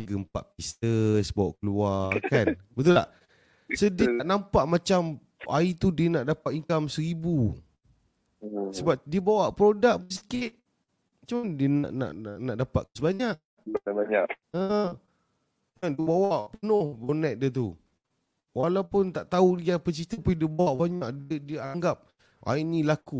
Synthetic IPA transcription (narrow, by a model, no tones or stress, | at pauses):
ɡəmpa̰ʔpisəsbawa̰ʔkəluakanbət̪̬ʊla̰ʔ | sədiət̪aʔnampaʔmat͡ʃam | ait̪udiənaʔdapat̪iŋkamsəɾibu | səbap̚diəbawaʔpɾodak̚bs̬i̥kɪt̪̚ | mat͡ʃamandiəna̰ʔna̰ʔna̰ʔna̰ʔdapa̰ʔ̪səbaɲaʔ | anabaɲaʔ | ə | kadiəbawaʔpənʊhbonɛt̪̚diət̪̬ṵ | wʔalawpʊnt̪aʔt̪auijapət͡ʃit̪əpudiəbawaʔbaɲaʔdiəaaŋɡap̚ | a̰inĩlaku